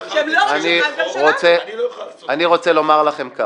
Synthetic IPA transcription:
aniʁot͡se | aniʁo̞t͡selo̞maʁlaχe̞mka

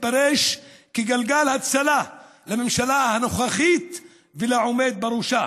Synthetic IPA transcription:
paɾeʃkiɡalɡalhat͡sala | lamemʃalahanoχaχit̪ | velaʕomed̪̚baɾuʃa

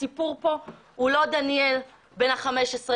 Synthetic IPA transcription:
ipuʁpo̞ | ulo̞d̪aniel | be̞naχameʃesʁe

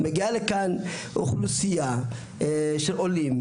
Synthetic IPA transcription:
meɡialekanʔṵχlusija | ʃelʔolim

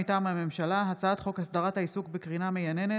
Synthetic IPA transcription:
itaːmhame̞mʃalaɦat͡saat̪χo̞khasdaʁathaisukbekʁinamejanene

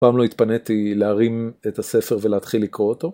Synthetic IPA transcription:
paːmlo̞it̪panet̪ileaʁimet̪ase̞fe̞ʁveleat̪χilːikʁoot̪o̞

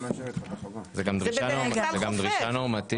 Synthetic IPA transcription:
zeɡamd̪ʁʃanozeɡamd̪ʁiʃanoʁmat̪i

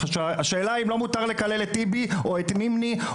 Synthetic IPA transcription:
aʃavaʃeːlaimlo̞mutaʁle̞kale̞let̪ːibioet̪mimni

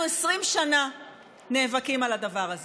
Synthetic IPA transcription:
uesʁimʃana | ne̞ːvakimalad̪avaʁaz

